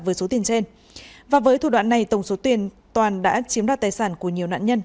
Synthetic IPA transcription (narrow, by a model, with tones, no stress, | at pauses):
vəː˨˦jso˨˦t̪i˨˩ənt͡ɕe˧n | vaː˨˩vəː˨˦jt̪ʰu˧˩ɗwa̰ː˧˨nːa˨˩jt̪ə˧˩wŋ͡mso˨˦t̪i˨˩ən | t̪waː˨˩nɗa̰ː˧˥t͡ɕi˨˦əmɗaː˧˩t̪aː˨˩jsaː˧˩nku˧˩əɲi˨˩əwna̰ː˧˨ɲə˧n